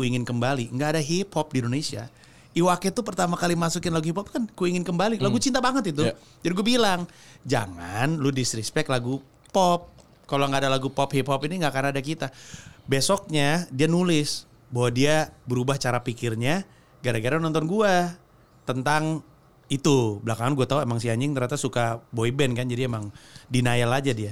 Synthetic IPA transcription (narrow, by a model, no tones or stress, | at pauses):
uiŋɪnkəmbaliŋɡaːdaɦiphɔp̚diindonesia̰ | iwakɛt̪upərt̪amakalimasukɪnlaɡuhiphɔp̚kankuiŋɪnkəmbalilaɡut͡ʃint̪abaŋət̪it̪̬u | d͡ʒadiɡuabilaŋ | d͡ʒa̰ŋa̰nludisɾispɛk̚t̪laɡu | pɔp̚ | kaloŋɡaːdalaɡupɔphiphɔpiniŋɡakanadakit̪abesɔk̚ɲadianulɪs | baɦwadiabəɾubaht͡ʃaɾapikɪrɲa | ɡaɾaɡaɾanɔnt̪ɔnɡua | t̪ənt̪aŋ | it̪ubəlakaŋanɡuat̪auemaŋs̬iaɲɪŋt̪ərɲat̪asukaboibɛnkand͡ʒadiemaŋdinajalad͡ʒadia